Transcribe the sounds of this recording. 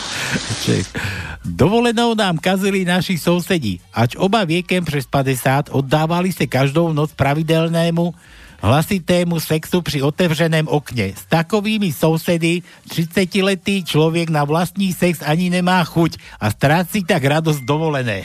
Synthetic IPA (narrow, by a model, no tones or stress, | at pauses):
t͡ʃɛ̰ | d̪ɔʋɔlɛnɔʊnaːmkazilinaʃisɔʊsɛɟḭʔad͡ʒɔbaʋɪɛkɛmpɾɛspad̪ɛsaːt̪ɔd̪ːaːʋalisakaʒd̪ɔʊnɔt͡spɾaʋid̪ɛlnɛːmu | ɦlasit̪ɛːmusɛksupɾiɔt̪ɛʋʒɛnɛːmɔkɲɛ̰st̪akɔʋiːmisɔʊsɛd̪i | t̪ɾit͡sacilɛt̪iːt͡ʃlɔʋɛɡnaʋlast̪ɲiːsɛkzaɲiɲɛmaːxucast̪ɾaːt͡siːt̪aɡɾad̪ɔzɟd̪ɔʋɔlɛnɛ̰ː